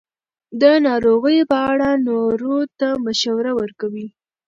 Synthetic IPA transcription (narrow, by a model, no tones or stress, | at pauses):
d̪ənɑɾoɣəjpəaɽanoɾot̪aməʃawɾawəɾkawi